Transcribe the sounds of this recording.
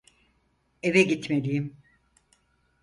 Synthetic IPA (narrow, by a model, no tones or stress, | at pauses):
e̞vɛɟit̪me̞lijim